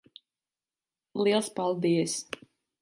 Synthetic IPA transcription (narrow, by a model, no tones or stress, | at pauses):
lˠiɛlˠspalˠd̪ijəs